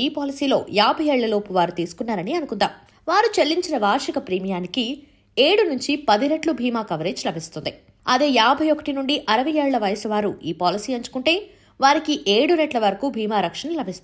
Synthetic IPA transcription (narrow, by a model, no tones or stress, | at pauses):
iːpaːlisiːlo̞̰ːjaːbʱɐjeːɭːɐloːpuʋaːɾut̪iːsu̥kunːaːɾɐniɐnukund̪aːm | ʋaːɾut͡ʃelːiɲt͡ʃinɐʋaːɾʂikɐpɾiːmijaːniki | eːɽunuɲt͡ʃipɐd̪inɐʈlubʱiːmaːkɐʋɐɾeːd͡ʒlɐbʱist̪und̪i | ɐd̪e̞ːjaːbʱɐjɔkɐ̥ʈinuɳɖiʔɐɾɐʋɐjeːɭulɐʋɐjɐsuʋaːɾuiːpaːlisiːɐɲt͡ʃu̥kuɳʈe̞ː | ʋaːɾikiʔeːɽunɐʈlɐʋɐɾɐkuːbʱiːmaːɾɐkʂɐnɐlɐbʱist̪